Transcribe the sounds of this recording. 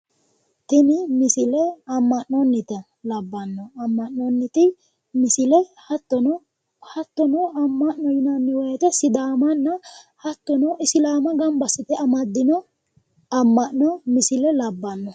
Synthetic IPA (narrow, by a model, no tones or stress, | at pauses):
t̪ɪnɪmɪsɪlɛɐmːɐʔnɔnːɪt̪ɐ | lɐbːɐnːɔɐmːɐʔnɔnːɪt̪ɪ | mɪsɪlɛhɐt̪ːɔnɔ | hɐt̪ːɔnɔɐmːɐʔnːɔjɪnɐnːɪwɔjɛt̪ɐsɪd̪aːmɐnːɐhɐt̪ːɔnɔɪsɪlaːmɐɡɐmbɐsɛt̪ɛɐmɐd̪ːɪnɔ | ɐmːɐʔnɔmɪsɪlɛlɐbːɐnːɔ